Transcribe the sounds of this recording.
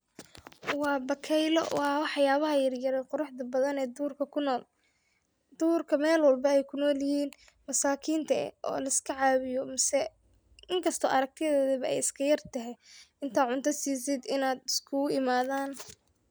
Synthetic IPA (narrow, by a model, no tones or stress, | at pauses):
wɑːbɐkʰɛjlɔ̰ʔɔɐwɑħɑjaːβɐɦɐjɐrjɐɾɛqʊɾʊħd̪ɐbɐðɐnɛːd̪uːrkʰɐkʰʊnɔːl | d̪̥uːrkʰɐmɛːlwɐlbɐɛjkʰʊnɔːljɪhiːn | mɐsaːkʰiːnt̪ʰɐɛ̰ʔɔ̰ːlɐɪskʰɐʕɑːβɪjɔmɪsɛ | ɪŋkʰɐst̪ʰɔːʔɐɾɐk̚t̪ʰɪðɛːðɐβɐɛ̰jɪskʰɐjɐrt̪ʰɐɦɛɪnt̪ʰaːʕʊnt̪ʰɐsiːs̬ɪd̪ɪnaːd̪ɪskʰʊɪmaːðaːn